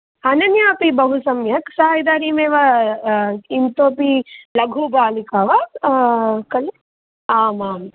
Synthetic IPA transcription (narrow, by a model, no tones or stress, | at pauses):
ɐnɐnjaːpibɐɦusɐmjɐksaːjid̪aːɾiːmeːʋɐ | int̪oːpilɐɡʱubaːlikaːʋɐ | kɐli | aːmaːm